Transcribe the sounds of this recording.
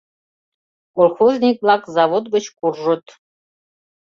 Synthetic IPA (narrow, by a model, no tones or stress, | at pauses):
kolˠxozʲnʲik̚blˠɑkzɑβod̪ɡə̆t͡ɕkurʒə̆t̪